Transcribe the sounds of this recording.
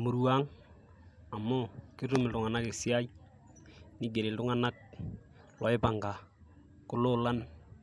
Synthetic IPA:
mu˨ɾu˦a˦ŋ | a˨mːʊ˦kɪ˦ɾʊ˦mɪ˨ltʊ˨ŋa˨na˦ke˨si˦a˦i˦ | nɪ˦ɡe˨ɾɪ˨ltʊ˦ŋa˦na˦k̚ | lɔ˨ɪ˦pa˨ŋɡa˨ | kʊ˦lʊ˦la˦n

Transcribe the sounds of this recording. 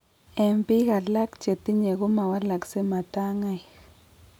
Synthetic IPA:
e˨mpi˦ɣa˨la˦kt͡ʃe˨t̪i˦ɲe˨ɣu˦ma˨wa˦la˨kse˦ma˨ta˦ŋa˦j

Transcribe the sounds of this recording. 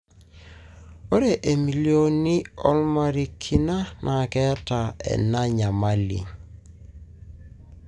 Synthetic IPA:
o˦ɾe˨ʔe˨mi˨ljo˦ni˦ɔ˦lma˨ɾi˨kʰi˨na˦nʔa˨kɛ˦ta˨ɛ̰˨na˦ɲa˨ma˦lḭ˨

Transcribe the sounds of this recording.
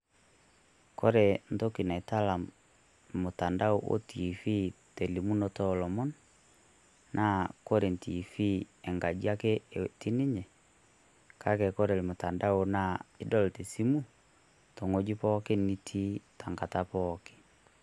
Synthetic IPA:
ko˦ɾɛ˨n̩to˦ki˨na˨e˨ta˦la˨ | mo˨ta˨nda˦o˦ʔo̰˦tʰi˨fi˦te˨li˨mu˦nɔ˦tɔlɔ˨mɔ˦n | nʔa˦ko˦ɾe˨n˨ti˨fi˦ɛ˨ŋɡa˨d͡ʒi˦a˦ke˦˨ti˦ni˦ɲɛ˨ | kʰa˦kɛ˨ko˦ɾe˨lmo˨ta˨nda˦o˨na˦i˦dɔ˦lte˨si˦mu˦ | tɔ˨ŋo˨d͡ʒi˦pɔ˦ke˦ni˦tʰi˦ta˨ŋɡa˨ta˦pɔke̥˨

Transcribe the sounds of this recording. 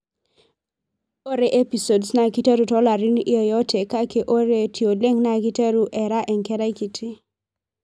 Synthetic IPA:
o˦ɾe˨ʔe˦pi˨so˨dsna˨ki˦te˦ɾu˨tɔ˦la˨ɾɪ˦ni˦e˨jɔ˦tʰe˨ka˦ke˨ʔo˦ɾe˨tʰjo˨le˦ŋna˦ki˦te˦ɾu˦ʔɛ˨ɾa˦ʔɛ˨ŋkɛ˦ɾa˦i˦ki˨tʰɪ˦

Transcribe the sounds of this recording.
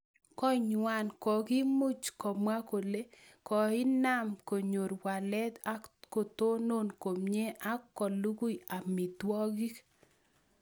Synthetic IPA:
kɔ˦ɲwa˨nkɔ˨ki˦mu˦t͡ʃkɔ˨mwa˦ko˨le˦ | kɔ˨ɪ˦na˦˨mko˨ɲo˨ɾwa˨lɛ˦ta˦ko˨t̪o˦no˦˨nko˨mɲe˦ʔa˦kːɔ˨lu˦ku˦ja˨mɪ˨twɔ˦ɡi˦k

